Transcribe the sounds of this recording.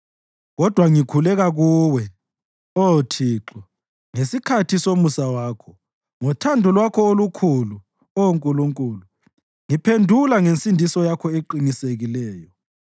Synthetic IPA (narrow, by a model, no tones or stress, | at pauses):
ɣɔd̥ʱwaŋikʰulɛɣaɣuːwɛ | otʰiːǁɔ | ŋesikʰatʰisomusawaːkʰɔ̥ | ŋɔtʰandʱulwakʰɔolukʰulu | ɔwoŋkʼuluŋkʼuːlu | ŋipʰendʱulaŋensʼindʱisɔjakʰɔeǃiniseɣilɛːjɔ